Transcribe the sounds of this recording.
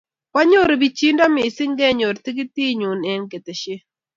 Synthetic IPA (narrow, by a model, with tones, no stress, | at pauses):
ka˦ɲo˦ɾbi˨t͡ʃi˦nda˦mɪ˨sɪ˦ŋɡɛ˦ɲo˨ɾti˦k̬i˦ti˦ɲu˨nɛ˦nke˨te˨ʃɪ˦